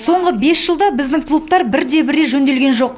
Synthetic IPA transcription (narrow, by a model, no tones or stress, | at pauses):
so̞ɴʁəbe̞sʒəlˠd̪ɑbɪzd̪ɪŋkʰlˠup̚t̪ɑɾbɪɾd̪e̞bɪɾe̞ʒɵnd̪e̞lɡʲe̞nʒo̞q